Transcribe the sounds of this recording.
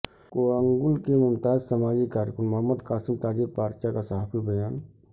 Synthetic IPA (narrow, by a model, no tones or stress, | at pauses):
koəŋɡʊlkemʊnt̪aːd͡ʒsəmaːd͡ʒikaːɾkʊnmɐɦəmːəd̪kaːsimt̪aːd͡ʒibpaːɾt͡ʃakasəɦaːpʰibʱəjaːn